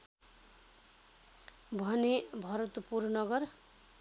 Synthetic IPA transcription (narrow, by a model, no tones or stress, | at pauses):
bʱʌnebʱʌɾʌt̪purnʌɡʌr